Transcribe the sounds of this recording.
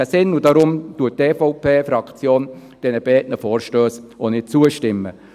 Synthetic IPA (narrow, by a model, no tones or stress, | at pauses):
æsɪnːudɑɾʊmtuət̚tɛːfɔʊpʰeːfɾɑkt͡sjoːn | d̥ɛnəb̥ɛːtnəfoːɾʃtøːsonɪt̚t͡suəʃtɪmːə